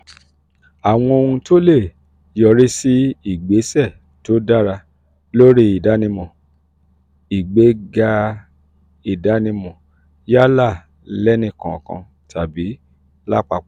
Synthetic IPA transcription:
a˨w̃ɔ̃˧o˧ũ˧to˦le˦˨ | jɔ˧ɾi˦si˦i˨ɡ͡be˨˦sɛ˦˨ | to˨˦da˦˨ɾa˧ | lo˦ɾi˧˦i˨da˨˦nĩ˧mɔ̃˨ | i˨ɡ͡be˨˦ɡa˧ | i˨da˨˦nĩ˧mɔ̃˨ | ja˦la˦˨ | lɛ˦nĩ˧kã˨kã̰˧ | tʰa˨bi˨˦ | la˦˨k͡pa˧˨

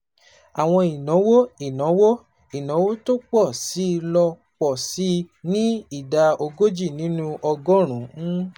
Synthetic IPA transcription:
a˨w̃ɔ̃˧i˨nɔ̃˨˦wo˦i˨nɔ̃˨˦wo˦ | i˨nɔ̃˨˦wo˦to˦k͡pɔ˦˨si˨˦˧lɔ˧ | k͡pɔ˨si˨˦nĩ˦i˦˨da˧o˧ɡo˦d͡ʒi˦˨nĩ˨˦nũ˦ʔɔ˧ɡɔ˦ɾ̃ũ˨˦

